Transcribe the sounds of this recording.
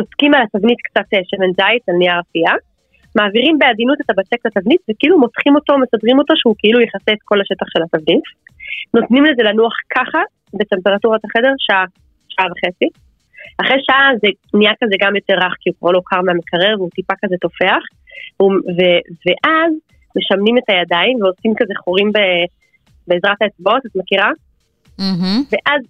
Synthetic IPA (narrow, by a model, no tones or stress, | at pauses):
noskimalatavnit̪kt͡sat̪ːeʃemenzajsalniaʁafia | maːviʁimbe̞adinutet̪abat͡seklatavnitvekeilumo̞t̪χimo̞to̞mesadʁimo̞to̞ʃeukeilujeχaseːt̪ko̞laʃe̞taχʃe̞lhatavnitno̞tnimleze̞lanuaχkʰaχa | betempeʁatuʁataχede̞ʁʃaʔa | ʃaavaχe̞t͡si | aχʁeʃaʔaze | niakazeɡamjo̞te̞ʁːaχkiukvalo̞kʰaʁmeamekʰaʁeʁveut̪ipakazet̪o̞fe̞aχ | vuveveʔaz | me̞ʃamnime̞tajadaimveosimkazeχoʁimbe | beːzʁathaet͡sbaot̪at̪makiʁa | veʔaz